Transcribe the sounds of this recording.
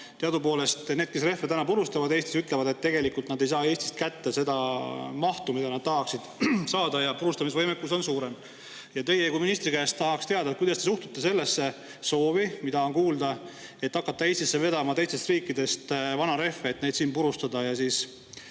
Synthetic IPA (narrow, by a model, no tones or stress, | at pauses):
t̪eɑd̪upo̞ːle̞st̪ne̞ːd̪̥̚ke̞sre̞fːeænɑpuɾust̪ɑvɑd̪e̞ːst̪isyt̪le̞vɑd̪e̞t̪ːe̞ɡ̥e̞likult̪nɑd̪e̞jsɑːe̞ːst̪i̥st̪kæt̪ːese̞d̪ɑmɑht̪umid̪ɑnɑd̪̥̚t̪ɑɦɑksid̪̥sɑːd̪ɑjɑpuɾust̪ɑmisevɤjmekːˑuso̞nsuːɾe̞m | jɑt̪e̞jekominist̪ɾikæːst̪t̪ɑɦɑkst̪e̞ɑd̪ɑkujd̪ɑst̪e̞suht̪ut̪ːese̞lːe̞sːe | so̞ːvimid̪̥ɑo̞nkuːld̪ɑ | e̞t̪ːɑkːˑɑt̪ːɑesʲt̪isːe̞ve̞d̪̥ɑmɑt̪e̞jst̪e̞st̪riːkːˑid̪e̞st̪vɑnɑɾe̞fːeːt̪ne̞jd̪siːnpuɾust̪ɑd̪ɑjɑsiːs